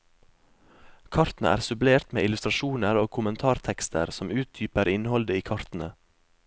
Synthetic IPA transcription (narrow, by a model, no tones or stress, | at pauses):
kʰɑɾt̪n̩əʔæ̰ːɾsʉbleːɾt̪mḛːʔɪlʉst̪ɾɑʃuːnəɾoːkʰʊmənt̪ʰɑːɾt̪ʰɛkst̪ʰə̰ɾsɔmʉːt̪̚d̪yːpəɾɪnhɔld̪əiːkʰɑɾt̪n̩ə